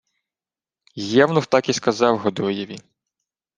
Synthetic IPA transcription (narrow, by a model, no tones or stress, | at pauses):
jɛwnʊxt̪ɑkiskɐzɑwɦɔd̪ɔjɛʋʲi